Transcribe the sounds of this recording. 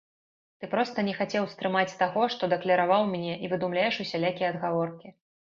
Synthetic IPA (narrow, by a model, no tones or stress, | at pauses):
t̪ɨpɾɔst̪ɐnʲɛxat͡sʲɛwst̪ɾɨmat͡sʲt̪aɣɔʂt̪ɔd̪ɛklʲɐɾavawmʲnʲɛʔivɨd̪umlʲajɛʂusʲalʲakʲijɛɐd̪ɣavɔrkʲi